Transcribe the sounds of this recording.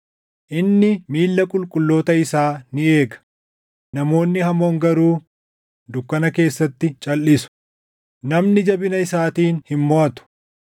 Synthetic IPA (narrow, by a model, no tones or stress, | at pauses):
ʔɪnːɪmiːlːɐkʼʊlkʼʊlːo̞ːt̪ɐɪsaːnɪe̞ːɡɐ̥ | nɐmo̞ːnːɪɦɐmo̞ːŋɡɐɾuː | d̪ʊkːɐnɐke̞ːsːɐt̪ːɪt͡ʃʼɐlːɪsʊ̥ | nɐmnɪd͡ʒɐbɪnɐɪsaːt̪iːnhɪmːoɐt̪ʊ̥